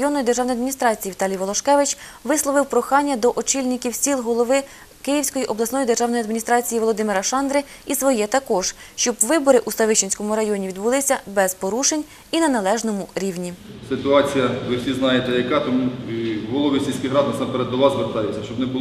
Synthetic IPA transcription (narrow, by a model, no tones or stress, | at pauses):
jɔnːɔjid̪erʒɑwnɔjɐd̪mʲinʲist̪ɾɑt͡sʲijiʋʲit̪ɑlʲijʋɔlˠɔʃkɛʋɪt͡ʃ | ʋɪslˠɔʋɪwpɾɔxɑnʲːɐd̪ɔʔɔt͡ʃilʲnɪkʲiwsʲilˠɦɔlˠɔʋɪ | kɪjiwsʲkɔjiʔɔblˠɐsnɔjid̪erʒɑwnɔjɐd̪mʲinʲist̪ɾɑt͡sʲijiʋɔlˠɔd̪ɪmɪɾɐʃɑnd̪ɾɪ | isʋɔjɛt̪ɐkɔʒ̥ʃt͡ʃɔbʋɪbɔɾɪʔusɐʋɪʃt͡ʃenʲsʲkɔmʊɾɐjɔnʲiʋʲid̪bʊlˠɪsʲɐbɛzpɔɾuʃenʲ | inɐnɐlˠɛʒnɔmʊɾʲiwnʲisɪt̪ʊɑt͡sʲijɐʋɪwsʲiznɑjet̪ɛjɐkɑt̪ɔmuɦɔlˠɔʋʲisʲilʲsʲkʲiɦɾɑd̪nɐsɑmpeɾɛd̪d̪ɔʋɑzzʋert̪ɑjɛt͡sʲːɐʃt͡ʃɔbnɛbʊl